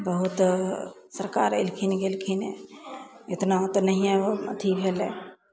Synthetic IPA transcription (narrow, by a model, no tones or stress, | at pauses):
bəɦut̪ | səɾka̰ɾḛlkʰinɡelkʰinḛ | ɪt̪naot̪nəɦiãoət̪ʰibʱelɛ̰̃